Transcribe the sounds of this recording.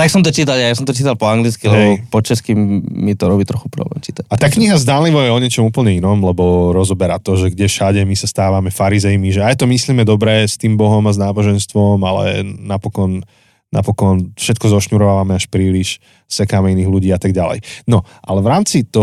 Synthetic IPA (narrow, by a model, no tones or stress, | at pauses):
t̪aksɔmt̪ɔt͡ʃiːt̪alajas̬ɔmt̪ɔt͡ʃiːt̪alpɔaŋɡlit͡skilɛbɔpɔt͡ʃaskimːit̪ɔɾɔbiːt̪ɾɔxupɾɔ̰blɛ̰mt͡ʃiːt̪ac̚at̪aːkɲiɦazd̪aːnliʋɔjɛɔɲɛt͡ʃɔmuːpl̩ɲɛinɔmlɛbɔɾɔzɔbɛɾaːt̪ɔʒɛɡɟɛfʃaɟɛmisast̪aːʋamɛfaɾizɛjmiʒɛajt̪ɔmisliːmɛd̪ɔbɾɛːst̪iːmbɔɦɔmaznaːbɔʒɛnst̪ʋɔmalɛ̰napɔkɔnː | a̰pɔkɔnfʃɛt̪̚kɔzɔʃɲuɾɔʋaːʋamɛaʃpɾiːliʃ | sɛkaːmɛiniːɣluɟiːat̪aɡ̚ɟalɛ̰jnɔ | ʔalɛʋɾaːmt͡sit̪ɔ